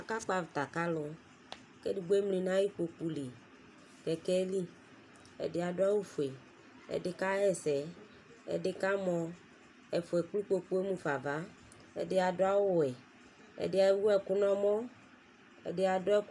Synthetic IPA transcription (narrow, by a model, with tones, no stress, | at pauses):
a˨ka˦k͡pa˨vt̪a˨ka˦lʊ˨ | ke˦di˨ɡ͡be˦mlĩ˨nã˦ji˦k͡po˨k͡pu˨li˨ | kɛ˨kɛ˦li˦ | ɛ̰˨dɪ˨˦a˨dʊ˦a˦wu˦fʊ˨e˨ | ɛ̰˨dɪ˦ka˦ɛ˦sɛ˨ | ɛ̰˨dɪ˦ka˦mɔ̃˨ | ɛ˨fʊ˨ɛ˨k͡plu˦k͡po˨k͡pu˦e˦mũ˨fa˨va˦ | ɛ̰˨dɪ˦a˨dʊ˦a˦wʊ˦˨ɛ˨ | ɛ̰˨dɪ˦a˨˦wu˦ɛ˨kʊ˦nɔ̃˦mɔ̃˦ | ɛ̰˨dɪ˦a˨dʊ˦ɛ˦